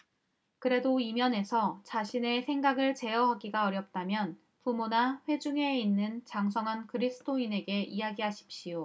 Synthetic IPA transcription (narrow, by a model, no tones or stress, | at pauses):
kɯɾe̞doimjʌne̞sʰʌt͡ɕaɕʰine̞sʰe̞ŋɡaɡɯɭt͡ɕe̞ʌɦaɡiɡaʌɾjʌp̚t͈amjʌn | pumonaɸwe̞d͡ʑuŋe̞inːɯnt͡ɕaŋs̬ʰʌŋɦankɯɾisʰɯ̥tʰoine̞ɡe̞ʔijaɡiɦaɕʰi̥p̚ɕ͈ijo